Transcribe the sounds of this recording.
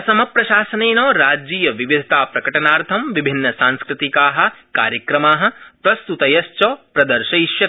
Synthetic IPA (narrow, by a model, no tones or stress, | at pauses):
ɐsɐmɐpɾɐʃaːsɐneːnoːɾaːd͡ʒiːjɐʋiʋid̪ʱɐt̪aːpɾɐkɐʈɐnaːɾt̪ʰɐmʋibʱinːɐsaːnskɾɪt̪ikaːɦɐ̆ka̰ːɾjɐkɾɐmaːɦɐ̆pɾɐst̪ut̪ɐjɐst͡ʃɔːpɾɐd̪ɐɾʃɐjʃjɐt̪̚